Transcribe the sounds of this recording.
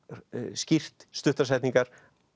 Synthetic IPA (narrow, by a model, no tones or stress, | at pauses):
scir̥t̪st̪ʏht̪asɛjht̪niŋkaɾ̥